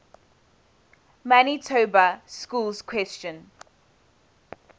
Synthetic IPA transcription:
manitʰobəskuːlzkʰwɛst͡ʃə̃n

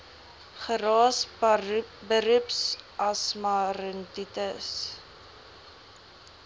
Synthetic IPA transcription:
χəɾɑːs | bəɾʉpsʔɐsmɐɾənditəs

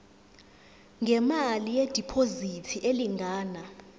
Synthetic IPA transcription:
ŋɡʱɛmalijed̥ʱipʰozitʰiʔeliŋɡʱaːna

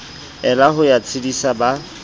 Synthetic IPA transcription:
ɛlaɦʊjat͡sʰɪdisaba

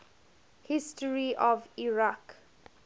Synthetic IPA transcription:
hɪstəɹiʔɔviɹak

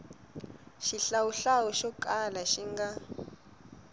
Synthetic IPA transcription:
ʃiɬawuɬawɔʃɔkʼalaʃiŋɡa

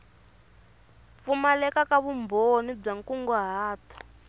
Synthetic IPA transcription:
fumalɛkakaβumbonib͡ʐaŋkuŋɡɔɦaːtɔ̥

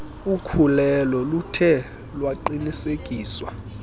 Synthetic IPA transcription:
ukʰulɛlɔlutʰɛ | lwaǃiniseɡ̥ʼʱiːswa̰

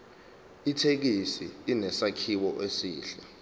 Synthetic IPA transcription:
itʰek̬isiːnɛsakʰiwɔʔesiːɬɛ

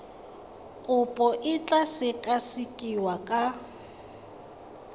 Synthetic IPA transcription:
kʼʊpʼɔʔɪt͡ɬʼasɪkʼasɪkʼiwakʼa

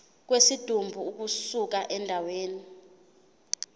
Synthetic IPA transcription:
k̬wesid̥ʱumbʱuuk̬usuk̬aʔɛndʱaweːni

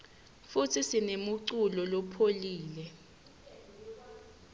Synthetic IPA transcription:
futʰisinemuǀulɔlɔpʰoliːlɛ

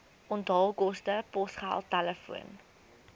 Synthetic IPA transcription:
ɔndɑːlˠkɔstəpɔsχæ̰lˠtæləfuə̰n

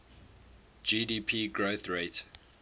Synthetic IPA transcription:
d͡ʒidiːpʰiːɡɹoθɹet

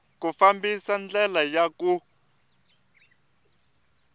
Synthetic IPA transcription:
kufambisand͡ɮɛlajaku

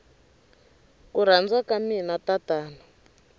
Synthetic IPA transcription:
kuɾ̤and͡zwakaminatataːnɔ

